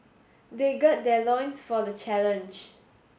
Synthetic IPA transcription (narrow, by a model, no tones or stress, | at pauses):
deɡɔt̚dɛlɔ̃j̃nsfɔdət͡ʃɛlə̃nd͡ʒ